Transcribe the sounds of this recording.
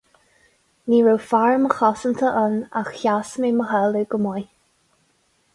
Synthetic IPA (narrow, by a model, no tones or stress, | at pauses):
niːɹowfaɹməxɔsənt̪ʰəʔəna̰xçasmeməɦɛləɡəmɔj